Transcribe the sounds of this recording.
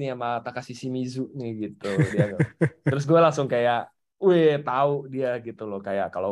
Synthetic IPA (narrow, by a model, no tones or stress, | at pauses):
niamat̪akasisimizʊʔnɪɡit̪udiaɡat̪əɾʊs̬ɡualaŋsʊŋkajaʔ | uɛt̪aʊʔdiaɡit̪ulʊhkajaʔkalo